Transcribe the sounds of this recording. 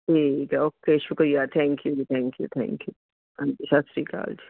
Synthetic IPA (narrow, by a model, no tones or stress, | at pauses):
ʈʰiːkoːkeːʃʊkɾijat̪ʰɛ̃ːŋkjuit̪ʰɛ̃ːŋkjṵt̪ʰɛ̰̃ːŋkju | ɐd͡ʒiʃɐsɾika̰ːld͡ʒi